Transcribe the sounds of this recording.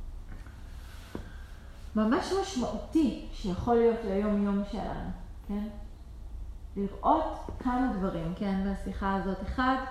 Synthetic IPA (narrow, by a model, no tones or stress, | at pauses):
mamaʃmaʃmaʔutiʃejaχo̞lijo̞tlajo̞mjo̞mʃḛla̰nukʰen | liʁʔo̞tkʰamadvaʁimke̞nmeasiχaazo̞teχad